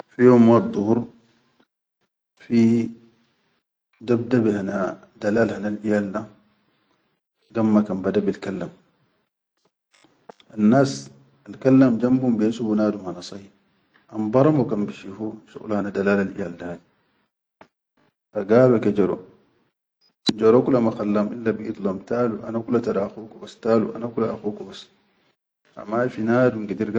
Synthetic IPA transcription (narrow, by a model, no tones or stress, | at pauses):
fijoːmːad̪ˤːuhuɾ | fi | dab̚dabihana | dalaːlhanalʔijalda | ɡamːakanbadabilkalːam | ʔanːaːs | alkalːamd͡ʒambumbijansubunaːdumhanasˤɑi | ʔambɑɾamɔkambiʃihuʃṵʔluhanadalaːlalʔḭjaldaːdi | ʔaɡaːβakad͡ʒaɾɔ̰ | nd͡ʒaɾokulamaxalːamʔilːabiʔit̪lomtaːluʔa̰nakulataɾaxukubastalṵʔa̰nakulaaxukubas | ʔa̰mafinaːduŋɡidiɾɡa